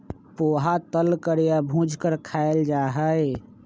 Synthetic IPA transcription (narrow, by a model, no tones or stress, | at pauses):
poːɦat̪əlkəɾjabʱũd͡ʒʱkəɾkʰaeld͡ʒaːɦəe